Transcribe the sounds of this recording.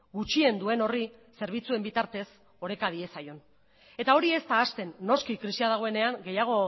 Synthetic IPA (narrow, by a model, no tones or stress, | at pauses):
ɡut͡ʃie̞nd̪ue̞no̞rise̞ɾβ̞it͡sue̞mbit̪aɾt̪e̞s | o̞ɾe̞kað̞ie̞sajo̞n | e̞t̪ao̞ɾie̞st̪aːst̪e̞nːo̞skikɾisiað̞aɣ̞o̞e̞ne̞aŋɡe̞jaɣ̞o̞